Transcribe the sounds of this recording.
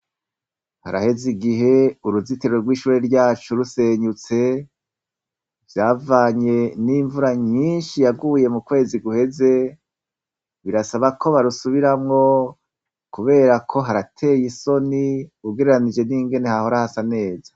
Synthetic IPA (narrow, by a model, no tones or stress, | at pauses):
ha̰ɾa̰he̞ziɡiɦe̞uɾuziteɾoɾɡwiːʃuːɾeɾɟaːt͡ʃuɾuseɲut͡se̞ | vjaːvaːɲe̞niɱvuɾaɲinʃijaɡuːje̞mukwe̞ːziɡuhe̞ze̞ | βiɾasaβakʰo̞βaɾusuβiɾamŋo̞ | kuβe̞ːɾakʰo̞ɦaɾatʰe̞jiso̞niuɡeɾeɾanid͡ʒe̞niːŋɡe̞ne̞haho̞ɾahasane̞ːza